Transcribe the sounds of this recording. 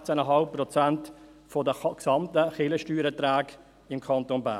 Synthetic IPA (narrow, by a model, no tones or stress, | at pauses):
t͡sənəɦɑlpːrɔt͡sænt | fɔdəksɑmtəχɪləʃtyːɾət̪ɾaːɡ | ɪmkʰɑntonba̰ː